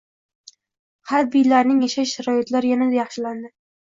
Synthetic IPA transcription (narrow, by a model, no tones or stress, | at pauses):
haɾbijlaɾnɪŋjaʃajʃɪɾɒjɪt̪laɾjanad̪ajɑχʃɪland̪ɪ